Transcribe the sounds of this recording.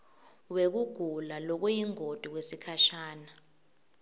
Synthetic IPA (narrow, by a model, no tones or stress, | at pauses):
wek̬uɡ̥ʱulalɔk̬ujiŋod̥ʱuk̬wesikʰaʃaːna